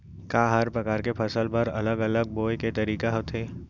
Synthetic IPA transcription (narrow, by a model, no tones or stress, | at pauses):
kaːɦɐɾpɾɐkaːɾkepʰɐsəlpɐɾɐ̰ləɡɐləɡ̚boːjket̪ɐɾiːkaɦot̪ʰeː